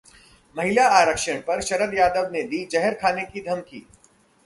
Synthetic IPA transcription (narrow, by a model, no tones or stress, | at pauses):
mɐɦɪlaaːɾəkʃəɽ̃pɐɾʃɐɾəd̪jaːd̪əʋned̪iːd͡ʒɐɦəɾkʰaːnekid̪ʱɐmkḭː